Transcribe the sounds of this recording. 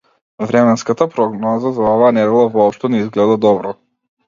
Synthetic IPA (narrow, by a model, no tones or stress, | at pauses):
vɾɛmɛnskat̪apɾɔɡnɔzazaɔvaːnɛɾɛlˠavɔɔpʃt̪ɔnɛizɡlɛd̪ad̪ɔbɾɔ